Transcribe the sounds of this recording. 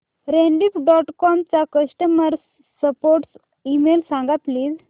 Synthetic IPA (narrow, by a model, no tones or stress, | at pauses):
ɾeɳɖipɖɔʈkɔmt͡sakəsʈəməɾs | səpoɾʈs | imelsãŋɡat̪liːd͡z